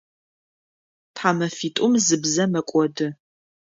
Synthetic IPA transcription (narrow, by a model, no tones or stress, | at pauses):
tʰħaːmɐfiːtʼʊmzɨbzɐmɐkʷʼɔdɨ